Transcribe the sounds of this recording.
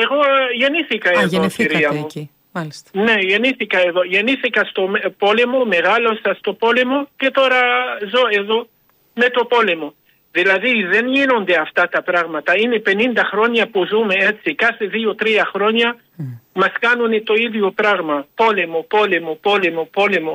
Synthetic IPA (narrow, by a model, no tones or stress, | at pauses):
eɣoʝeniθikaeðokiɾiamo | nejeniθikaeðoʝeniθikast̪ompolemomeɣalosast̪opolemoket̪oɾazoeðo | met̪opolemo | ðilɐðiðenʝinond̪eɐft̪at̪ɐpɾaɣmɐt̪ɐinepenind̪ɐxɾo̞ɲɐpuzumeet͡sikaθeðiot̪ɾiɐxɾoɲɐ | mɐskanunet̪oiðjopɾaɣmɐpo̞lemopolemopolemopolemo